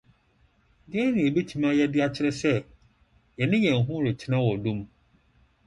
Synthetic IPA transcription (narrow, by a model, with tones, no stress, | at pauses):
dɪ˦ɛ˦nʊ̃˨e˨be˦t͡ɕʰi˦mã˦jɛ˦dɪ˦a˦t͡ɕʰɪ˦ɾɪ˦sɛ˦ | jɛ˨nɪ̃˦jɛ̃˨ŋ˨ɦʊ̃˦ɾɪ˨t͡ɕʰɪ˦nã˦wɔ˨dũ˦m